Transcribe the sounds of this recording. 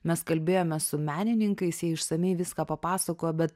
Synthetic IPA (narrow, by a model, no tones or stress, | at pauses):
mʲɛskɐlʲbʲeːjoːmʲɛsʊmʲæːnʲɪnʲɪŋkɐɪsjɛɪʃsɐmʲɛɪʋʲɪskɑːpɐpɑːsɐkoːjobʲɛt̪̚